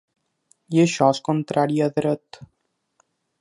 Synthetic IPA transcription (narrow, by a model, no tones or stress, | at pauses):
jeʃɔskont̪ɾʔaɾjiəðɾət̪